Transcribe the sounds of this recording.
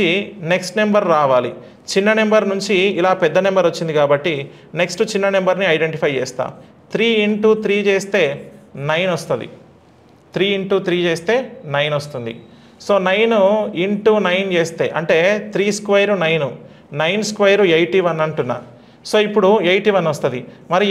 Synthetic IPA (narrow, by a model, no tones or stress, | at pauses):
ine̞ksʈne̞mbɐɾːaːʋaːli | t͡ʃinːɐnembɐɾnuɲt͡ʃiːlaːpɛd̪ːɐnembɐɾʋɐt͡ʃːind̪ikaːbɐʈːi | neksʈut͡ʃinːɐnembɐɾniɐjɖe̞ɳʈipʰɐjt͡ʃɛ̰ːst̪a̰ː | t̪ɾiːiɳʈuːt̪ʰɾiːt͡ʃeːst̪e̞ːnɐjnost̪und̪ḭ | t̪ɾiːiɳʈuːt̪ɾiːt͡ʃeːst̪e̞ːnɐjnost̪und̪ḭ | so̞ːnɐjnuiɳʈuːnɐjnt͡ʃeːst̪e̞ːʔɐɳʈe̞ːt̪ʰɾiːskʋɐjɐɾunɐjnu | nɐjnskʋɐjɐɾuejʈiːʋɐnːɐɳʈunːa̰ː | so̞ːipːuɽuejʈiːʋɐnːost̪ɐd̪i | mɐɾi